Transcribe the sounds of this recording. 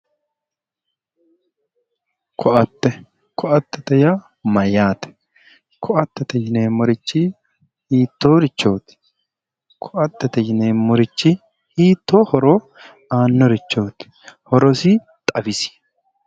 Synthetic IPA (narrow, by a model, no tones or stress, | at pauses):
kʰɔʔɐt̪ːɛ | kʰɔʔɐt̪ːɛt̪ɛja | mɐjaːt̪ɛ̥ | kʰɔʔɐt̪ːɛt̪ɛjɪneːmɔɾɪt͡ʃːɪ | hiːt̪ːoːɾɪt͡ʃːoːt̪ɪ̥ | kʰɔʔɐt̪ːɛt̪ɛd͡ʒɪneːmːɔɾɪt͡ʃːɪ | hiːt̪ːoːhɔɾoː | aːnːɔɾɪt͡ʃːoːt̪ | hɔɾɔsi | t̪ʼɐbɪsɪ̥